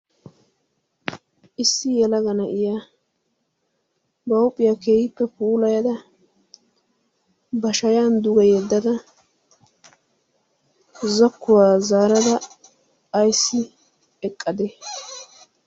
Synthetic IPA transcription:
ʔɪsːɪjɛlɐɡɐnɐʔɪja | bɐwpʼːɪjake̞ːhɪpːɛpuːlɐjɐd̪ɐ | bɐʃɐjaːnd̪ʊɡɐjɛd̪ːɐd̪ɐ | zɔkːʊwaːzaːɾɐd̪ɐː | jsːɪ | ɛkʼːɐd̪ɛ

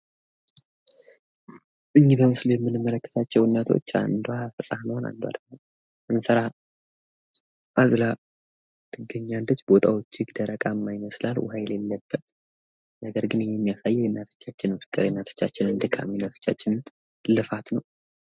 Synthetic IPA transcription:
ʔɨɲːibəmɨslujɛmːɨnɨmːələkːə̥t̪ʰat͡ʃːɛwnːat̪ʰo̞̰t͡ʃːa̰nd̪oafəsʼahnəhwona̰nd̪owa̰d̪əɡnəw | ʔɨnsəɾa | ʔazla | t̪ʰɨɡːəɲːand̪ət͡ʃːbo̞t̪ʼʰawo̞t͡ʃːɪɡd̪əɾəkʼamːajɪməslalwajlelːəbːət̪ | nəɡəɾɡɨnɨjːɛmːijasajːɛjɛnːat̪ʰo̥t͡ʃːat͡ʃːɪnmfɨ̥kʼːɨɾjɛnːat̪ʰo̥t͡ʃːat͡ʃːɪnɨnd̪ɨkʰːaminat̪ʰo̥t͡ʃːat͡ʃːɪnn | lɨfat̪nəw

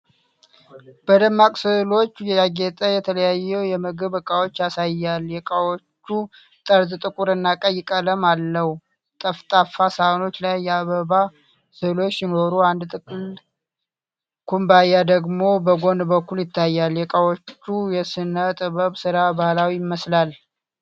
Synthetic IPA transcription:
b̥əd̪əmːakʼsɨhlo̞t͡ʃːjɛjaɡɛt̪ʼəjɛt̪ʰələjajːɛwjɛməɡɨβəkʼawo̞t͡ʃːasajːaljɛkʼawot͡ʃːu | t̪ʼəɾt̪ɨt̪ʼɨkʼuɾɨnːakʼəjɪkʼələmalːəhu | t̪ʼəft̪ʼafasaono̞t͡ʃːlajːaβəβa | sɨhlo̞t͡ʃːjɪno̞ɾuand̪t̪ʼɨkʼɨl | kʰumbajːad̪əɡmo̞bəɡo̞nbəkːuljɪt̪ːajːaljɛkʼawot͡ʃːujɛsɨnət̪ʼɨβəβsɨɾabahlawijɪməslal

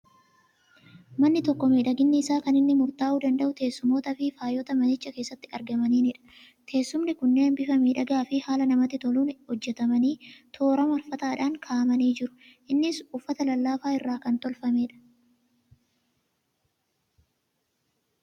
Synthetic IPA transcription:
mɐnːɪt̪ɔkːɔmeːᶑɐɡɪnːɪːsaːkɐnɪnːɪmʊɾt̪aːʔuːd̪ɐnd̪ɐʔʊt̪e̞ːsːʊmoːt̪ɐfɪfaːjɔt̪ɐmɐnɪt͡ʃːɐkeːsːɐt̪ːɪɐɾɡɐmɐniːnɪᶑɐ̥ | t̪ʰe̞ːsːʊmnɪkʊnːeːnbɪfɐmeːᶑɐɡaːfɪhaːlɐnɐmɐt̪ːɪt̪ɔluːnhɔd͡ʒːɛt̪ɐmɐniːt̪ʰo̞ːɾɐmɐlfɐt̪aːᶑaːŋkʰaːʔɐmɐniːd͡ʒɪɾʊ̥ | ʔɪnːɪsʊfːɐt̪ɐlɐlːaːfaːɪrːaːkɐnt̪ɔlfɐmeːᶑɐ̥

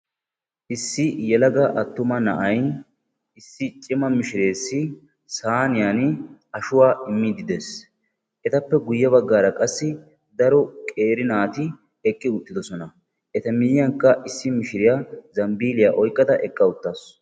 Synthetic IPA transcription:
ʔɪsːɪjɛlɐɡɐʔɐt̪ːʊmɐnɐʔɐj | ɪsːɪt͡ʃʼɪmɐmɪʃɪɾe̞ːsːɪ | saːnɪjaːnɐʃʊwaːʔɪmːɪd̪ɪd̪eːs | ʔɛt̪ɐpːɛɡʊjːɐbɐɡːaːɾɐkʼɐsːɪ | d̪ɐɾɔkʼe̞ːɾɪnaːt̪ɪ | ɛkʼːɪʊt̪ːɪd̪ɔsɔnɐ | ʔɛt̪ɐmɪjɪjɐŋkːɐʔɪsːɪmɪʃɪɾɪjazɐmbiːlɪjaʔɔjkʼːɐd̪ɐʔɛkʼːɐʊt̪ːaːs

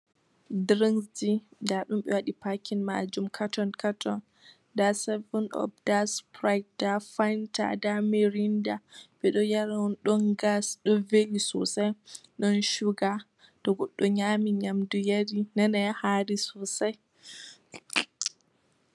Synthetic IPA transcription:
dɾinsdidaɗumɓɛwaɗipakʰinma̰d͡ʒumkʰatɔnkʰatʰɔn | dasɛvɔnɔ̰b̚daspɾajk̚d̥afajnta̰dameɾindaɓɛɗɔjaɾanɗɔnɡasɗɔvelisɔsajɗɔnʃuɡa | tɔɡɔɗːɔɲamiɲamdujaɾinanajahaɾisɔsaj

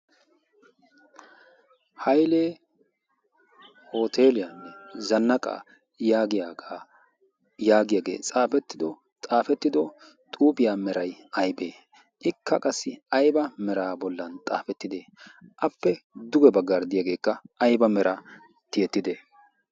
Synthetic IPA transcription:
hɐjleː | ho̞ːt̪ʰeːlɪjɐnːɛzɐnːɐkʼa̰ː | jaːɡɪjaa | jaːɡɪjaːɡeːt͡sʼaːfɛt̪ːɪd̪ɔ | t̪ʼaːfɛt̪ːɪd̪ɔ | t̪ʼuːbɪjaːmɛɾɐjɐjbe̞ː | ʔɪkːɐkʼɐsːɪɐjbɐmɛɾaːbɔlːɐnt̪ʼa̰ːfɛt̪ːɪd̪eːʔɐpːɛd̪ʊɡɛbɐɡːɐɾd̪ɪjaɡe̞ːkːɐɐjbɐmɛɾʔɐ | t̪ɪjɛt̪ːɪd̪eː

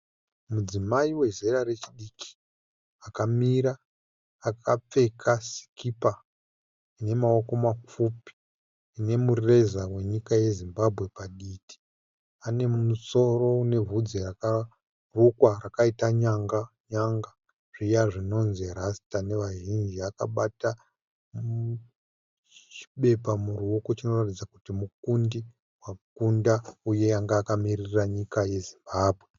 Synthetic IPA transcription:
mud͡zimaiwe̞ze̞ɾare̞t͡ʃiɗikʰi̥ | akamiɾaː | kʰap͡fe̞kʰasi̥kipa | ine̞mao̞ko̞makupi̥ː | ne̞murrezawe̞ɲikaje̞zimbabʱɣwe̞paɗiːti̥ | ane̞muso̞ro̞ne̞vʱud͡zeraka | rukwarakaitaɲaŋɡaɲaŋɡa | ʐ̥ijaʐino̞nzirastane̞ʋaʒind͡ʒiaka̰ɓata | m | t͡ʃi̥ɓe̞pamuruoko̞t͡ʃino̞ratid͡zakutimuk̚undi | wakundauje̞aŋɡaːkamiriraɲikaje̞zimbaːbʱwe

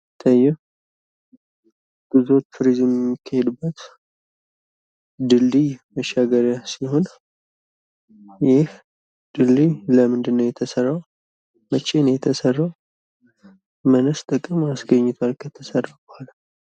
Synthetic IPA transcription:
t̪ʰʼəjɛh | ɡ̥ɨzot̪ʰuɾizɨjɛmjɛmːikʰːahed̪bːət̪ | d̪ɨlːiməʃaɡəɾjasiho̞n | jɛh | d̪̥ɨlːiləmɨnd̪ɨnːəwjɛt̪ʰəsərːaw | mət͡ʃʼːenəjɛt̪ʰəsərːaw | mənəst̪ʼɨkʼːɨmasɡəɲːɪt̪ʰwalkʰət̪ʰəsərːabəhala

